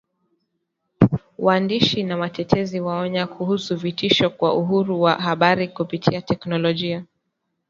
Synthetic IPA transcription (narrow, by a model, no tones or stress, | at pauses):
wandiʃinamatɛtʰɛziwaɔɲakʰuhusuvitiʃɔkwaʔuɦuɾuwaɦaɓaɾikupitʰiatɛknɔlɔʄia